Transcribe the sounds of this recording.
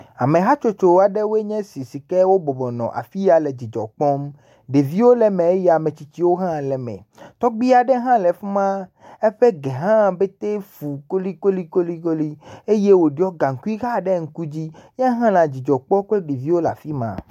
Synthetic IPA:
a˨mẽ˨ɦa˦t͡ʃo˦t͡ʃo˨wa˨ɖɛ˦wo˦e˦ɲɛ̃˦si˨si˨kɛ˦wo˦bɔ˨bɔ˨nɔ̰̃˨ʔa̰˨fi˦ja˨le˨d͡ʑi˨d͡ʒɔ̰˨k͡pɔ˦m | ɖe˨vi˦wo˦lɛ˨mɛ̃˨e˦jɛ˦˨a˨mẽ˨t͡ɕi˨t͡ɕi˦wo˦ɦã˦˨lɛ˨mɛ̰̃˨ | t̪ɔ˦ɡ͡bi˦a˨ɖɛ˦ɦã˦lɛ˨fu˦mã˦ | e˦ɸe˦ɡɛ˨ɦã˦be˦t̪e˦fu˨ko˦li˦ko˦li˦ko˦li˦ko˦li˦e˦je˦wo˨ɖi˦ɔ˦ɡã˨ŋ̩˨ku˦i˦ɣa˦˨ɖɛ˦ŋ̩˦ku˦d͡ʑi˦ɲɛ̃˦ɦã˦lã˨d͡ʑi˨d͡ʒɔ˨k͡pɔ˦k͡pe˦ɖe˨vi˦wo˦la̰˨fi˦mã̰˨

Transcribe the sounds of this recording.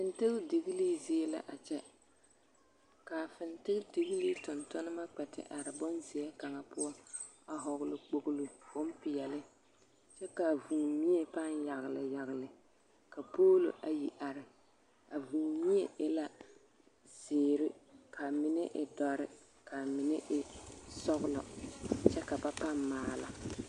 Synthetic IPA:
fɪ˨ntɪ˦ɣdɪ˨ɣɪ˦liː˦ze˦la̰˨ʔa˨t͡ʃɛ˦ | ka˨fɪ˨ntɪ˦ɣdɪ˨ɣi˦li˦tʊ˨ntʊ˦nɨ˦ma˦k͡pɛ˨tɪ̰˨ʔa˨ɾɪ˨bɔ˦nzɪ˨jɛ˦ka˨ŋa˨pʊ˦ɔ˦ | a˨ɦɔ˨ɣʊ˦lɪ˨k͡po˦ɡʊ˦lo˨bʊ˦m˦pɪ˨jɛ˨lɪ˦ | t͡ʃɛ˦ka˨vuː˨mi˦ɛ˨pa˦nja˨ɣɪ˨lɪ˨ja˨ɣɪ˨lɪ˨ | ka˨poː˦lo̰˨ʔa˨ji˨ʔa˨ɾɪ˨ | a˨vuː˨mi˦ɛ˦ɛ˦la˦ | zz̥ɪː˨ɾɪ˦kʰa˨mɪ˦nɪ˦ʔɪ˨dɔ˨ɾɪ˦ | ka˨mɪ˨nɪ˦ʔɪ˨sɔ˦ɣʊ˦lɔ̰˨t͡ʃɛ˦ka˨ba˦pa˦mːaː˨la̰˨

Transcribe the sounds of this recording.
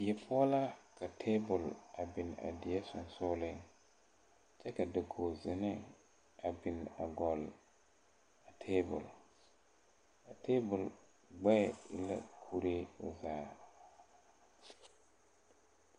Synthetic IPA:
jɛ˨pʰʊ˦ɔ˦la˦kʰa˨tʰeː˦bʊ˨la˨bɪ˨n˨a̰˨dɪ˨ɛ˦sʊ˨n˨sʊ˦lɪ˦ŋ | t͡ʃɛ˦ka˨dɪ˨ɡo˨zɪ˨nɪ˦ | a˨bɪ˨n˨a̰˨ɡɔ˨l | a˨tʰeː˦bʊ̰˨l | a˨tʰe˦bʊ˨l | ɡ͡bɛ˦˨ɪ̰˦la̰˦kʰu˦ɾe˦ʊ̰˨zaː˦

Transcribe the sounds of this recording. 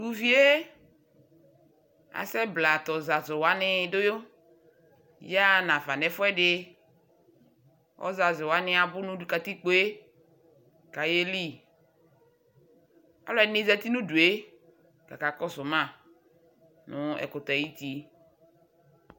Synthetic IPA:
u˨vi˦e˦ | a̰˨sɛ˦bla˨t̪ɔ˨za˨zʊ˨wa˦nɪ˦dʊ˦jo˦ | ja˦nã˨fa˨nɛ˨fʊ˦ɛ˦ɖɪ˦ | ɔ̰˦za˨zʊ˨wa˦nɪ˦a˨bʊ˦nʊ̃˦˨ka˨t̪i˦k͡po˦e˦ | ka˨je˦li˦˨ | a̰˦lɔ˦ɛ˨nɪ̃˦za˦t̪i˦nũ˦du˨e˦ | ka˨ka˨kɔ˦sʊ˨mã˦˨ | nʊ̃˦ɛ̰˨kʊ˨t̪ɔ˨ɛ˨ji˦t̪i˦

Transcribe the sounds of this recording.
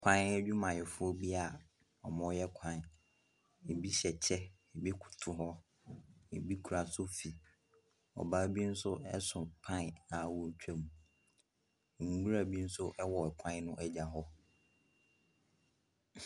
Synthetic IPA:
kʷʰã˦n˦ɛ˦d͡ʑᶣu˦mã˨jɪ˨fʊ˦ɔ˦bi˦a˨ | ɔ˨mɔ̃˦jɛ˦kʷʰã˨n˨ | e˨bi˦ɕɛ˨t͡ɕʰɛ˦ | e˨bi˦kʰʊ̥˨tʰʊ˨ɦɔ˦ | ḛ˨bi˦kʰu˨ɾa˨sʊ˦fi˨ | ɔ̰˨ba˦bi˦n̩˦sʊ˦ɛ̰˦sʊ̃˨pʰã˦n˨ã˨wʊ˦ɲ̩˦t͡ɕᶣɛ˦mũ˨ | ŋu˨ɡu˦ɾa˦˨bi˦n̩˦sʊ˦ʔɛ˦wɔ˨ɛ˨kʷʰã˦n˦nʊ̃˦ʔɛ˦d͡ʑa˨ɦɔ˦

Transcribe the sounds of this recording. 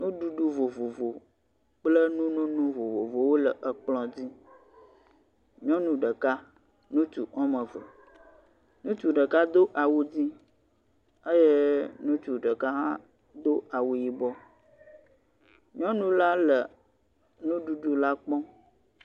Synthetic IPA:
nũ˦ɖu˦ɖu˦vo˨vo˨vo˨ | k͡plə˦nũ˦nũ˦nũ˦vo˨vo˨vo˨wo˦lə˨ʔə˨k͡plɔ̃˦d͡ʑi˦ | ɲɔ̃˦nũ˦ɖə˨ka˦ | nũ˦tu˨ʔɔ̃˦mə̃˨və˨ | nũ˦t̪u˨ɖə˨ka˦d̪o˦ʔa˨wu˦d͡ʑi˦ | ə˦je˦nũ˦t̪u˨ɖə˨ka˦ɦã˦ | d̪o˦a˨wu˨ji˨bɔ˦ | ɲɔ̃˦nũ˦la˦lə˨ | nũ˦ɖu˦ɖu˦la˦k͡pɔ̃˦

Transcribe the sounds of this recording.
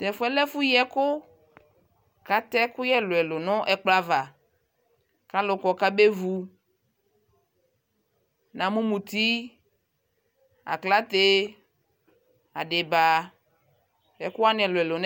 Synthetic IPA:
tɛ˨fʊ˦ɛ˦lɛ˦fʊ˦jɛ˦kʊ˦ | ka˨t̪ɛ˦kʊ˦jɛ˦lʊ˨ɛ˨lʊ˨nɔ̃˦ʔɛ˨k͡pla˨va˨ | ka˦lʊ˨kɔ˨ka˦be˦vu˨ | nã˨mũ˦mũ˨t̪i˦ | a̰˨kla˦t̪e˦ | a̰˨ɖɪ˨ba˨ | jɛ˨kʊ˦a˦nɛ̃˨lʊ˨ɛ˨lʊ˨n˦

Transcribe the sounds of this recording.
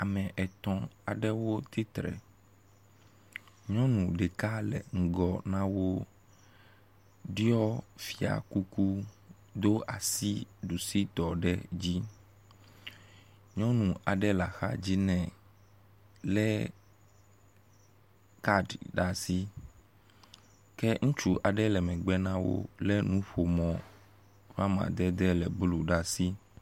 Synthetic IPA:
a˨mɛ̃˨ʔɛ˨t̪ɔ̃˦a˨ɖɛ˦wo˦t̪i˦t̪ɾɛ̰˨ | ɲɔ̃˦nũ˨ɖe˨ka˦lɛ̰˨ŋ̩˨ɡɔ˨nã˦wo˦ | ɖi˦ɔ˦fi˨a̰˨ku˦ku˦ | d̪o˦a̰˨si˦ɖu˨si˦t̪ɔ˨ɖɛ˦d͡ʑi˦ | ɲɔ̃˦nũ˨a˨ɖɛ˦la˨xa̰˦d͡ʑi˦nɛ̃˨ | lɛ˦ | ka˦ɖɖa˨si˦ | kɛ˦ŋũ˦t͡ʃu˦ʔa˨ɖɛ˦lɛ˨mɛ̃˨ɡ͡bɛ˦nã˦wo̰˦lɛ˦nũ˦ɸo˨mɔ̃˨ | va˦mã̰˨d̪ɛ˦d̪ɛ˦lɛ˨blu˨ɖa˨si˦

